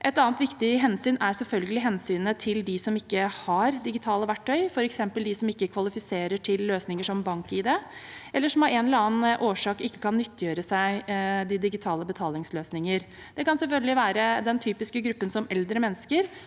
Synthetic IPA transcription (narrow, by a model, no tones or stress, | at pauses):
ʔɛt̪ɑːnt̪ʋɪkt̪ɪɦɛnsyːnʔæsɛlfœlɡəlɪɦɛnsyːnət̪ʰɪld̪ɪsɔmɪkːəhɑɾd̪ɪɡɪt̪ʰɑːləʋæʈʰːœʏfɔɾɛksɛmpəld̪ɪsɔmɪkːəkʰʋɑlɪfɪseːɾəʈʰɪlːøːsnɪŋəʂɔmbɑŋkiːd̪ɛɛlːəʂɔmɑɾɛnlɑːnʔoːʂɑːkɪkːə̥kʰɑnːʏt̪ːjøːɾəsæɪd̪ɪd̪ɪɡɪt̪ʰɑːləbət̪ʰɑːlɪŋsløːsnɪŋəɾ | d̪̥ɛkɑnsɛlfœlɡəlɪʋæːɾəd̪ɛnt̪ʰyːpɪskəɡɾʉpːənsɔmɛld̪ɾəmɛnːəskəɾ